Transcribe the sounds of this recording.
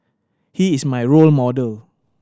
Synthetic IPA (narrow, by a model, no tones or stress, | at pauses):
hiismajɹolmɔdəl